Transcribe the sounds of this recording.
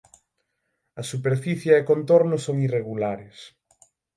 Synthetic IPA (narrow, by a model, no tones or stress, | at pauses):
ɐsupeɾfiθjɐekont̪oɾnʊsoŋireɣulaɾɪs